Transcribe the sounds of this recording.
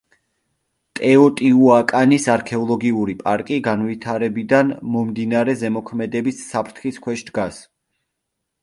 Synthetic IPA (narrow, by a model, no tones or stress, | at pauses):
t̪ʼɛɔt̪ʼiuakʼanisaɾkʰɛɔlˠɔɡiuɾipʼaɾkʼiɡanvit̪ʰaɾɛbid̪anmɔmd̪inaɾɛzɛmɔkʰmɛd̪ɛbisːapʰɾt̪ʰχiskʰwɛʃd̪ɡas